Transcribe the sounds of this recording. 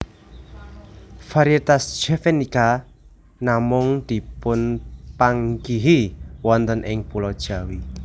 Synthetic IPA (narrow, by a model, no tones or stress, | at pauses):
faɾjet̪asʒ̥ɛfenika | namʊŋd̪̥i̤pʊnpaŋɡiɦiwɔnt̪ənʔɪŋpulɔd̥ʒ̥a̤wi